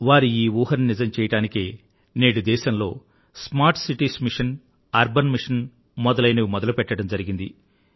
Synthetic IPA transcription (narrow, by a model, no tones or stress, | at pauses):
ʋaːɾiiːʋuːɦɐɾninid͡ʒɐmt͡ʃɛːjɐʈaːnikeː | neːɽud̪ɛːʃɐmlo̞̰ː | smaːɾʈsiʈiːsmiʂɐn | ɐɾbɐnmiʂɐn | mɔd̪ɐlɐjnɐʋimɔd̪ɐlupɛʈːɐɽɐmd͡ʒɐɾiɡind̪i